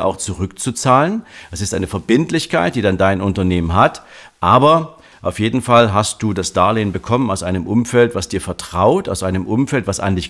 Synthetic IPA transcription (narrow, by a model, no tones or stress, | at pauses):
ʔa̰ʊxt͡suʁʏk̚t͡sut͡saːlənʔɛsɪstʔa̰ɪnəfɛɐbɪntlɪçkaɪt̚d̥iːdandaɪnʔʊntɐneːmənɦat | ʔaːbɐ | ʔaʊfjeːdn̩falɦast̚d̥uːdasd̥aːɐleːnbəkʰɔmənaʊsʔaɪnəmʔʊmfɛltv̥asd̥iːɐfɛɐtʁ̥aʊtaʊsʔaɪnəmʔʊmfɛltv̥asʔa̰ndɪç